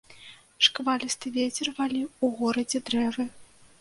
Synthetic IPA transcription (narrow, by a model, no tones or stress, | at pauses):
ʂkvalʲist̪ɨvʲet͡sʲɛrvalʲiuɣɔɾɐd͡zʲɛd̪ɾɛvɨ